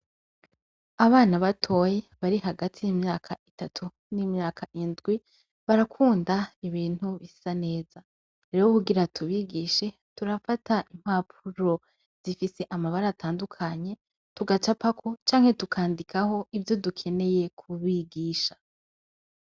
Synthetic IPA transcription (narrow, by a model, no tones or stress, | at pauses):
aβaːnaβatʰo̞jeβaɾiɦaɡatʰijimɲaːkʰaʔitatʰu | nimɲaːkʰaʔindɡwi | βaɾakʰuːndaiβiːn̥huβi̥sane̞ːz̥a | ɾe̞ɾokuɡiɾatʰuβiːɡiːʃe̞ | tuɾafatʰaʔim̥hap̚ʰuɾo̞ | z̥ifise̞ʔamaβaɾatʰaːndukʰaɲe̞ | tuɡat͡ʃapakʰot͡ʃaːŋhe̞tukʰaːndikʰaho̞ʔivjo̞dukʰe̞ne̞je̞kʰuβiɡiːʃa